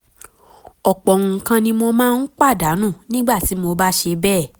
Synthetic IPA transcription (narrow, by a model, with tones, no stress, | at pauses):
ɔ˨k͡pɔ˨ŋũ˨˧˨kã˧nĩ˧mo˧mãː˦˧n̩˦k͡pa˦˨da˨˦nũ˦˨nĩ˦ɡ͡ba˦˨ti˨˦mo˧ba˦ʃe˧bɛː˦˨